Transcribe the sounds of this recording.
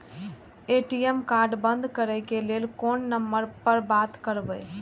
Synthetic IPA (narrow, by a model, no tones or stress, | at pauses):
eʈijemkaɾɖbənd̪ʱkəɾəjkelelkonːəmːəɾpəɾbat̪kəɾbəj